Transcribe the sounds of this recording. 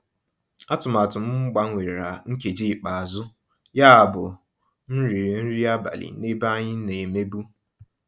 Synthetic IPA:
a˦tʊ˨ma˨tʊ˨m̩˦ŋ͡m̩˦ɡ͡ba˨ŋ̩ʷ˦e˨ɾe˨ɾa˨ŋ̩˦ke˨d͡ʒi˦˨k͡pa˨a˨zʊ˦ | ja˦a˨bʊ˨ | n̩˦ɾi˨ɾn̩˦ɾi˦a˦ba̰˨lɪ̰˨˦ne˦ba˦ɲɪ˦ne˨me˦bu˦

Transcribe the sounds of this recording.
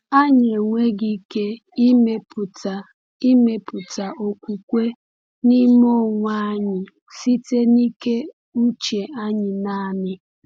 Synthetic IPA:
a˦ɲ˨e˨ŋʷe˦ɡi˦ke˦ | i˦me˦pʊ˨ta˨ | i˦me˦pʊ˨ta˨ʔo˦kʷu˨kʷe˦ | ni˦m˦o˦ŋʷa˦ɲɪ˨ | si˦te˦ni˦ke˦ | u˦t͡ʃe˨a˦ɲɪ˨na˦˨mɪ˦

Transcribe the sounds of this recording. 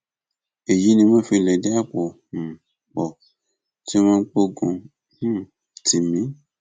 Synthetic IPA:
e˨ji˨˦nĩ˧mɔ̃˦fi˧˨lɛ˨dɛ˦a˦k͡pɔ˨ | m̩˨ | k͡pɔ˨ | ti˦mɔ̃˦k͡po˦ɡũ˧ | h̩˦ | ti˨mĩ˨˦

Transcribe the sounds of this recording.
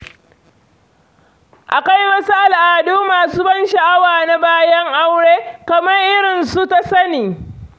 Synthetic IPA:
ʔa˨ka˦jwɐ˦su˦ʔa˨lʔaː˨duː˦maː˨suː˦bɐ˦nʃɐ˨ʔa˦waː˨na˦baː˦jɐ˦ŋʔa˦wɽeː˦kɐ˨mɐ˦rʔɪ˦ɽɪ˨nsu˦ta˦sɐ˦niː˨

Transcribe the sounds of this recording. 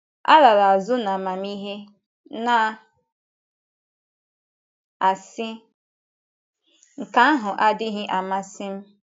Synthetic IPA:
a̰˦la˨ɾa˨a˨zʊ˦na˨ma˨mi˦ɦe˦ | na˨ | a˨sɪ˦ | ŋ̩˨ka˨˦a˦ɦʊ˨ʔa˦dɪ˦ɦɪ˦ʔa˨ma˦sɪ˦m̩˦

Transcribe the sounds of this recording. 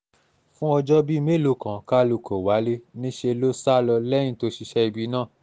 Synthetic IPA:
fũ˦ɔ˧d͡ʒɔ˦bi˦˧me˦˨lo˨˧kã˨ka˦lo˧˨kʰɔ˨wa˨˦le˦nĩ˦ʃe˧lo˦sa˦˨lɔ˧lɛ̃˦ĩ˦to˧ʃi˧ʃɛ˦i˧bi˧˦nãː˦˨

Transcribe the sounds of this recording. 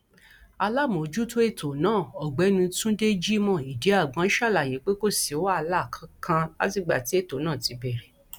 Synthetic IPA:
a˧la˦˨mõ˨˦d͡ʒu˦to˦e˦˨tʰo˨˦nãː˦˨ɔ˨ɡ͡bɛ˨˦nũ˧tũ˦de˦d͡ʒi˦mɔ̃˦˨i˨de˨˦a˦˨ɡ͡bã˧˦ʃa˦˨la˨je˨˦k͡pe˦ko˦se˨˦wa˦˧la˦˨kʰã˧˦kʰã˧a̰˦ti˦˨ɡ͡ba̰˨ti˨˦e˦˨to˨˦nãː˦˨ti˧bɛ˨ɾɛ˨

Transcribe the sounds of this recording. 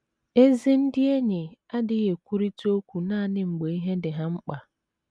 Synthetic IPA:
e˦zi˦n̩˦dɪ˦e˦ɲɪ˨a˦dɪ˦ɣe˨kʷu˦ɾi˦to˦kʷu˨na˦˨nɪ˦ŋ͡m̩˨ɡ͡be˨i˦ɦe˦dɪ˨ɦa˦ŋ͡m̩˦k͡pa˨

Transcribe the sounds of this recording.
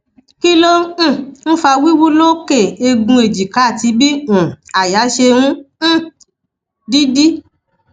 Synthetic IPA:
ki˦lõ˦˨n̩˦fa˧wi˦wu˦lo˦ke˦˨e˧ɡũ˧e˨d͡ʒi˨ka˨˦˨ti˧bĩ˦˨a˨ja˨˦ʃe˧wũ˦˨ | di˦di˦

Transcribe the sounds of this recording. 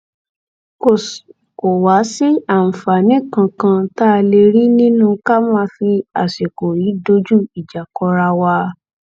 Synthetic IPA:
ko˦˨sko˨wa˨˦si˦a˦˨m̩˨fa˨nĩ˦kã˧kã˧ta˦˧le˧ɾi˦nĩ˦nũ˦ka˦mãː˦fi˧a̰˨ʃe˨ko˨ɾi˨˦do˧˦d͡ʒu˦i˨d͡ʒa˨kɔ˧ɾa˧wa˧

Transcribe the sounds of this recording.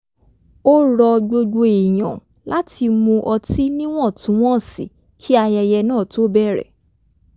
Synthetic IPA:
o˦ɾɔ˧ɡ͡bo˧ɡ͡bo˧i˨j̃ã̰˨ | la˦ti˧mõ˧ʔɔ˧ti˦nĩ˦w̃ɔ̃˦˨tũ˨˦w̃ɔ̃˦˨sḭ˨ | ki˦a˧jɛ˧jɛ˧nãː˦˨to˦bɛ˦˨ɾɛ̰˨

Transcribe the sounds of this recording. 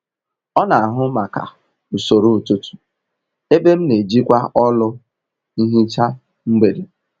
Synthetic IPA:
ɔ˦na˨a˨ɦʊ˦ma˨ka̰˨ | u˨so˨ɾu˦˨tu˦tu̥˨ | e˦be˦m̩˦ne˨d͡ʒi˦kʷa˦ɔ˦lʊ˦ | i˦ɦi˦t͡ʃa˦ | m̩˦ɡ͡be˨de˨

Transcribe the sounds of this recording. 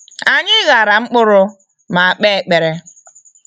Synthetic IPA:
a˨ɲɪ˦ɣa˨ɾa˨ŋ͡m̩˦k͡pʊ˦ɾʊ˦ | ma˨a˨k͡pe˦e˨k͡pe˨ɾe˦

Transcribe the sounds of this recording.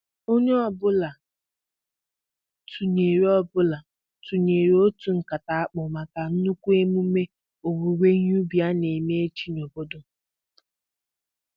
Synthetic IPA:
o˦ɲe˦ɔ˦˨bʊ˦la˨ | tʰu˨ɲe˨ɾi˦ɔ˦bʊ˦la˨ | tu˨ɲe˨ɾo˦tu˨ŋ̩˨ka˨ta˨a˦k͡pʊ˨ma˨ka˨n̩˦nu˦kʷu˦e˦mu˦me˦ | o˨wu˨˦we˦ɲ˦u˦bi˨˦a˦ne˨me˦e˦t͡ʃi˦n˨o˨bo˦do˨

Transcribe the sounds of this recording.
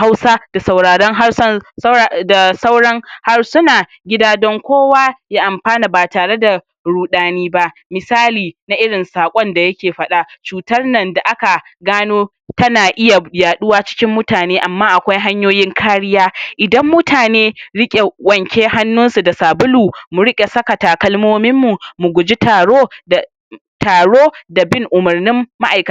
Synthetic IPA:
ha˦wsaː˦d̥a˨sa˨wɽaː˨ɽɔ˦ŋɦa˦s | da˨sa˦wɽɐ˦ŋha˦rsʊ˦naː˨ | ɡʲɪ˦daː˦dɔ˦ŋkʷoː˦waː˦jaː˦ʔa˨mɸaː˦na˨baː˨taː˨ɽe˦da˨ | ɽuː˨ɗaː˨niː˦ba˦ʔmɪ˨saː˦liː˨na˦ʔɪ˦ɽɪ˨nsaː˨kʷʼɔ˦nda˨jɐ˦kʲeː˨ɸɐ˦ɗa˨t͡ʃuː˨tɐ˦rnɐ˨nda˨ʔa˦ka˨ɡaː˦noː˦ | tɐ˦naː˨ʔɪ˦ja˨jaː˨ɗʊ˦waː˦t͡ʃɪ̥˦kʲɪ˦mːʊ˦taː˨neː˦ʔa˨mːaː˦ʔa˨kʷa˦jɦa˦ɲjoː˦jɪ˦ŋkʰaː˦ɽɪ˦jaː˦ʔɪ˨dɐ˦mːʊ˦taː˨neː˦ɽɪ˦kʲʼe˨wɐ˨ŋkʲeː˦ha˦nːʊ˦nsu˨da˨saː˨bʊ˦luː˨mʊ˨ɽɪ˦kʲʼe˨sɐ˦kɐ˨taː˨kɐ˦lmoː˦mɪ˦mːu˨mʊ˨ɡʷʊ˨d͡ʒi˦taː˨ɽoː˦ | taː˨ɽoː˦da˨bɪ˦ŋʔʊ˨mɐ˨rnɪ˦mːa˦ʔa˨jkɐ˨a˦

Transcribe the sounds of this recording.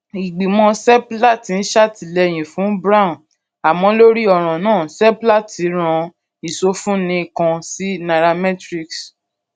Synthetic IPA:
i˨ɡ͡bi˨mɔ̃˧sɛ˦pla˦˨ti˨˦n̩˦ʃa˦˨ti˨˦lɛ˧˨j̃ĩ˨fũ˨˦bɾa˦ũ˨ | a˨mɔ̃˨˦lo˦ɾi˦ɔ˦˨ɾ̃ɔ̃˨nãː˦˨sɛ˦pla˦˨tʰi˨˦ɾ̃ɔ̃˧ | i˨so˧fũ˦nĩ˧˦˧kã˧si˦na˧˨ɾa˧mɛ˦tɾi˦ks

